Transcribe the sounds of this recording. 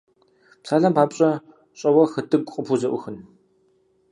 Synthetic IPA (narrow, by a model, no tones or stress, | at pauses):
psaːɮɐmbaːpʼɕʼɐ | ɕʼɐwɐxɨdɨɡʷʼqʼəpʰuzɐʔʷʊ̰xɨn